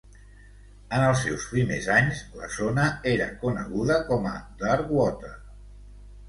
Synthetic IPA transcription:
ənəlˠsːɛwspɾimḛzaɲzlə̰zonəeɾə̰kunə̰ɣuðəkɔmə̰d̪əɾɣwɔt̪ə

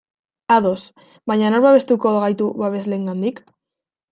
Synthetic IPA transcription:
aðo̞s | βaɲanoɾβaβe̞st̪ukoɣajt̪uβaβe̞zleŋɡand̪ik

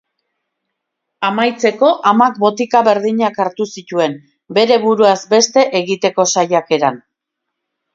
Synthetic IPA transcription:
amajt͡se̞ko̞ʔamak̚bo̞t̪ikaβe̞ɾðiɲakaɾt̪usit̪ue̞m | be̞ɾe̞βuɾuazbe̞st̪e̞ʔeɣit̪e̞ko̞sajake̞ɾan

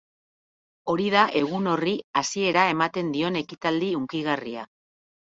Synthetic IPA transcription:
o̞ɾiðaʔe̞ɣ̞uno̞riasie̞ɾae̞mat̪e̞nd̪io̞ne̞kit̪ald̪iuŋkiɣ̞aria

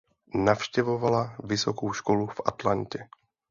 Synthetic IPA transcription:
nafʃcɛvo̞valavɪsokowʃkolufʔa̰t̪lancɛ

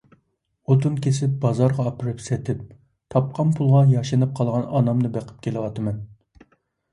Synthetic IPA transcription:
ot̪unkʲʰesɪp̚bɑzɑɾʁɑːpɪɾɪpsɛt̪ʰɪp̚ | t̪ʰɑp̚qɑnpʰulˠʁɑjɑʃɨnɨp̚qʰɑlˠʁɑnɑnɑmnɨbeqʰə̥p̚kʲʰelɪwɑt̪ɨmɛn

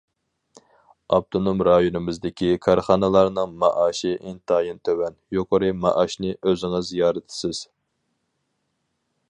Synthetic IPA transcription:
ɑb̚t̪ʰonomɾɑjonɨmɪzd̪ɪkʲʰikʰɑɾχɑːnɨlˠɑɾnɨŋmɑʔɑːʃiʔent̪ɑːjint̪ʰøwɛnjoqəɾɨmɑ̰ʔɑʃnɨʔøzɪŋɨzijɑːɾɨt̪ʰɪ̥sɪz̥

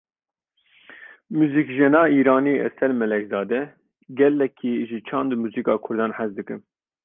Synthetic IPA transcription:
muːzikʒɛnɑːiːɾɑːniːɛ̰sɛlmɛlɛkzɑːd̪ɛ | ɡɛlːɛkʰːiʒit͡ʃʰɑ̃ːnd̪muːzikɑːkʰʊɾd̪ɑːnħɛzd̪ɨkɨn

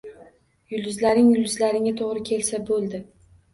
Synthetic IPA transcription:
jʊld̪ʊzlaɾnɪŋjʊld̪ɪzlaɾɪŋat̪ʰoʁɾɪkʲʰe̞lsabolˠd̪ɪ

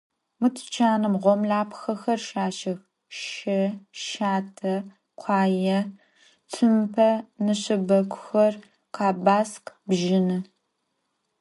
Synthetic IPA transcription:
mɨtʰt͡ʃʰaːnɨmʁʷɔmlaːpxɐxɐrʃaːʃɐx | ʃɐʃaːtʰɐ | qʷʰɑːjɐ | tʰɨmpʰɐnɨɕɪbɐkʷʰʊxɐr | qʰɑːbaːsqbʒɪnɨ

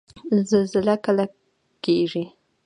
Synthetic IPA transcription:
zalzɪlakəla | keʐi

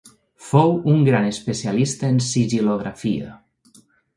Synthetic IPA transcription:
fowuŋɡɾanespesialist̪əːnsiʒiloɣɾafiə̰

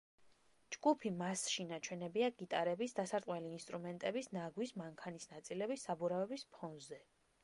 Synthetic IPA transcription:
d͡ʒɡupʰimasʃinat͡ʃʰwɛnɛbiaɡit̪ʼaɾɛbisd̪asaɾt̪ʼwɛliːnst̪ʼɾumɛnt̪ʼɛbisnaɡwismaŋkʰanisnat̪sʼilɛbisːabuɾavɛbispʰɔnzɛ

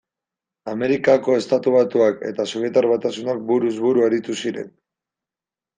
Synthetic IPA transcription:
ame̞ɾikako̞e̞st̪at̪uβ̞at̪uake̞̰t̪asoβje̞t̪aɾβat̪asunak̚buɾuzβuɾuaɾit̪usiɾe̞̰n

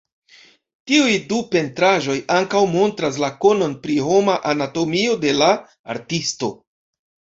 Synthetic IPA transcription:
tiujdupe̞ntɾaʒo̞jaŋkawmo̞ntɾas̬lako̞no̞npɾiɦo̞maʔanato̞mio̞de̞la̰ː | ɾtisto̞

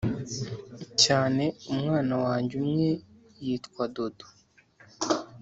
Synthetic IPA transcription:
caːne̞umŋaːnawaːɲɟumɲe̞ | jiːtkwado̞do

